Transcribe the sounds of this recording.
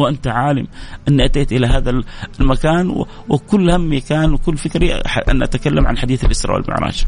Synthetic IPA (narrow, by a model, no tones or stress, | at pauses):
wʔant̪aʕaːlɪmʔɪnːiʔat̪eːt̪ʔɪlaɦaːðalmakaːnw̰ | wɪkʊlːhamːikaːnwɪkʊlːfɪkɾiaʔa̰nʔa̰t̪akalːamʕa̰nħad̪iːθlʔɪsɾˤɑ̰wɪ̰lmɪ̰ʕɾˤɑ̰ːd͡ʒ